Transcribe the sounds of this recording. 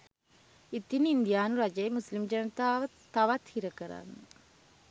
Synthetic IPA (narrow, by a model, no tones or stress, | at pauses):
it̪inind̪ijaːnuɾɐd͡ʒɐjmuslimd͡ʒɐnɐt̪aːʋɐt̪ːɐʋat̪hiɾəkəɾa̰nːɐ